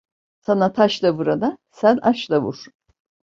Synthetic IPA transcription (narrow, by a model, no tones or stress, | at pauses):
sanat̪ʰaʃlˠabuɾad̪asænaʃlˠavṵɾ̥